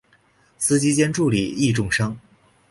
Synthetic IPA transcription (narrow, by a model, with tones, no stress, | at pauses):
sɹ̩˥t͡ɕi˥t͡ɕjɛ˥nʈ͡ʂu˥˩li˨˩i˥˧ʈ͡ʂʊ˥˩ŋʂɑ˥ŋ